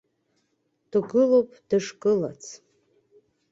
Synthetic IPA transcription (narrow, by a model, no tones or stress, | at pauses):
d̥uɡɨlowpʼd̥ɨʂkʼɨlat͡sʰ